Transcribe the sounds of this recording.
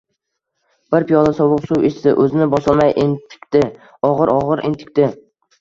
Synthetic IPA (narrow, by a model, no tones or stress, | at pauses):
b̥ɪɾpijɒlasɒwʊqsuweʃsɪʔɵzɪnɪbɒsɒlˠmajʔent̪ʰɪ̥kʲt̪ɪ | ɒʁɨɾʔɒʁɨɾʔent̪ʰɪ̥kʲt̪ɪ